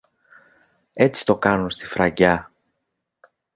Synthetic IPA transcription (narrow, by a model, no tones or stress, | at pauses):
e̞t͡ssi̥t̪o̞kɐnunst̪i̥fɾɐʝɐ